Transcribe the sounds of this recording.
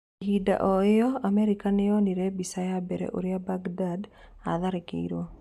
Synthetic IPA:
ɦida̰ʔɔejɔamɛɾikanɪɔniɾebisajabɛɾɛ̰ʔo̰ɾjabaɡdada̰ðaɾekḛḭɾo

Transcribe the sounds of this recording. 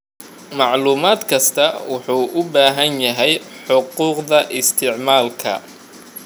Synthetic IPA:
mɑʕluːmaːd̪kʰɐst̪ʰɐwʊħuːʔʊbaːɦɐnjɐɦɛjħʊquːqðɐʔɪst̪ʰɪʕmaːlkʰɐ̰

